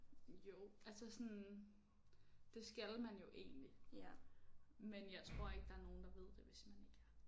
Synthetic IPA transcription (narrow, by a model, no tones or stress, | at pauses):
jo̝ælsɐsɔn | d̥e̝sɡ̥ælmænjo̝ʔe̝̰ːnli | menjɑ̈ɪt͡sʰʁo̝ɐ̰e̝ɡ̥̚d̥ɑ̈æɐno̝ːn̩d̥ɑ̈ʋe̝ð̰ˠd̥e̝ʋe̝smæne̝ɡ̥æɐ